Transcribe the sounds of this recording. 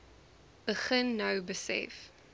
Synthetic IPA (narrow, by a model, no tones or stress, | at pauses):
b̥əχənːɐwbəsɛ̰f